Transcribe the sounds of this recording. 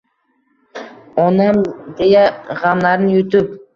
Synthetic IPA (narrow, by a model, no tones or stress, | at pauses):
onɑmd̪ejaʁɑmlˠaɾnɪjʊt̪ɪp